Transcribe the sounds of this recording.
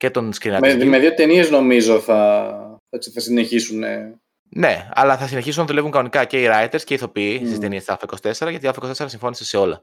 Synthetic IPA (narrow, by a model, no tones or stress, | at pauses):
ce̞t̪o̞nskɾinɐmeðjot̪eniezno̞mizo̞θɐθet͡siθɐsineçisune | ne̞ɐ̰lɐθɐsineçisunɐðulvuŋkɐnonikɐce̞iɾɐjt̪e̞ɾsceiθo̞piist̪ist̪e̞niest̪ɐlfoiko̞si̥t̪e̞se̞ɾɐʝɐt̪iɐlfokost̪seɾɐsiɱfo̞niseseo̞lɐ̰